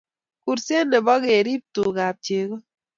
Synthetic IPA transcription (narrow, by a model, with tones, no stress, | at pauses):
ku˨ɾse˦nːe˨bɔ˦ɡe˨ɾi˦p̚tu˨ɡa˨p̚t͡ʃe˨ɡo˦